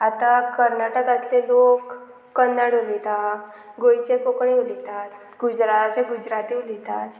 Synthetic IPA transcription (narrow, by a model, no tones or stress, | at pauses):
at̪akəɾnaʈəkãt̪lelokː | ənːaɽulit̪a | ɡojt͡ɕekokɳ̃iulit̪at̪ | ɡud͡ʑɾat̪at͡seɡud͡ʑɾat̪ilit̪at̪